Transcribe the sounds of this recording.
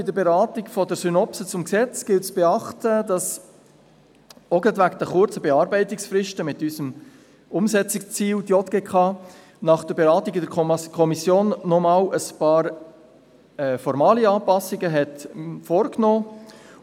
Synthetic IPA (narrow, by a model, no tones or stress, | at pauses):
ɪd̪əɾbeɾɑːtikfɔdəɾsynɔpsət͡sʊmksɛt͡sɡ̥ɪltsb̥eɑχtədɑs | oɡət̪vækd̥̪əχʊɾt͡səbeɑːɾbɛɪtɪksfrɪʃtəmɪtysəm | ʊmsɛt͡sɪkt͡siːldjɔt̪̚ɡ̥eːkʰɑː | nɑχd̥əɾbeɾɑːtiɡɪdəkkʰɔmisjoːnːɔmɑːləspɑːɾ | ɛːfɔɾmɑːliɑːpɑsɪɡəɦɛtfɔːɾknoː